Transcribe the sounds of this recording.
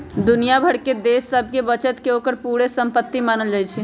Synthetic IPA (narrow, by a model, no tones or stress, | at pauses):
d̪ʊnijabʱɐɽked̪eːsːəb̚ʱkebɐt͡ʃət̪keoːkəɾpuːɽesɐ̃mpət̪ːimaːnəld͡ʒaːit͡ʃʰe